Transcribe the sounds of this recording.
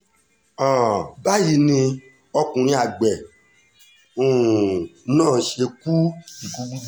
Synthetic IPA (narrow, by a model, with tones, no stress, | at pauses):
ã˨ba˦ji˨˧˦nĩ˧ | ɔ˧kũ˨ɾ̃ĩ˧a˨ɡ͡bɛ˨ | ũ˨˦ | nãː˦˨ʃe˧ku˦i˨ku˨˦u˦